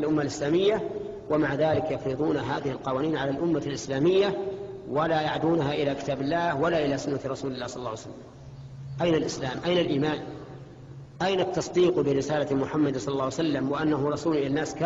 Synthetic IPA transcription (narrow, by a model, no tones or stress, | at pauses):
alʔʊmːalʔɪslaːmɪjːa | wamaʕðaːlɪkjɑfɾɨðˤuːnaɦaːðɪhɪlqɑwaːniːnʕalalʔʊmːalʔɪslaːmɪjːawalajaʕd̪uːnaɦaʔɪlakɪ̥t̪aːbɪlːaːhwalaʔɪlasʊnːaɾˤɑsuːlɪlːaːsˤɑlːɑːwjsalːam | ʔajnalʔɪslaːmʔajnalʔiːmaːn | ʔajnat̪ːɑsˤd̪iːqbɪɾɪsaːlamʊħamːad̪sˤɑlːlːˤɑːwsalːamwɪʔanːaɦʊɾˤɑsuːlʔɪlanːaːska